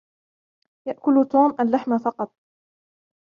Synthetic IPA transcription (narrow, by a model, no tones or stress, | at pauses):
jaʔkʊlt̪uːmʔalːaħmafɑqɑt̪̚ˤ